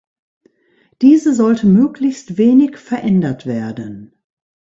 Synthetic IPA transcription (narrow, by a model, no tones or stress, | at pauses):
d̥iːzəzɔltʰəmøːklɪçstv̥eːnɪçfɛɐʔɛndɐtv̥eːɐdən